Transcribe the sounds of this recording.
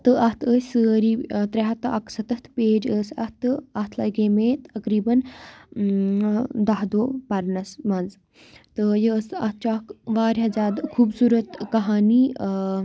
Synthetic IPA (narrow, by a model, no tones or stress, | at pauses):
t̪ɨʔɐht̪ʰəːsəːɾiːt̪ɾʲeɦɐt̪ɐ̰ksɐt̪ɐht̪ʰpeːd͡ʒəːsɐht̪ɨɐt̪ʰlɐɡeːmet̪ɐkɾiːbɐn | d̪ɐɦd̪oːpɐɾnɐsmɐnz | t̪ɨjəsɐt̪̚ʰt͡ʃakʋaːɾʲɦɐzʲaːd̪kʰuːbsuːɾɐt̪kɐɦaːniː